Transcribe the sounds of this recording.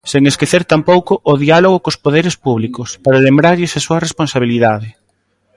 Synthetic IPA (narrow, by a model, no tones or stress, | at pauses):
seŋeskeθeɾt̪ampowkʊʔːðialoɣ̞okospoðeɾespuβ̞likʊspaɾalembɾaʎʊsasuɐresponsaβ̞iliðaðɪ